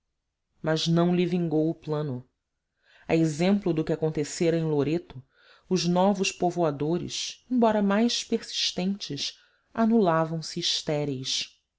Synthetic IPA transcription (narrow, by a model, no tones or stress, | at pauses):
mɐznɐ̃w̃livĩŋɡowʊplɐ̃nʊ | aezẽmplʊd̪ʊkʲakõnt̪eseɾɐẽj̃loɾet̪ʊ | ʊznɔvʊʃpovoad̪oɾɪ̰ʃẽbɔɾɐmajʃpeɾsi̥ʃt̪ẽnt͡ʃɪs | anulavɐ̃w̃siːʃt̪ɛɾejʃ